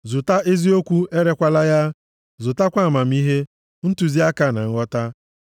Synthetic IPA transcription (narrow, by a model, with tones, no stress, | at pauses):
zʊ˨ta˦ʔe˦zi˦o˦kʷu˦ʔe˦ɾe˦kʷa˦la˦ja˦ | zʊ˨ta˦kʷa˦˨ma˨m̩˦i˦ɦe˦ | n̩˦tu˨zi˦a˦ka˦˨na˨ŋ̩˦ɔ˦ta˦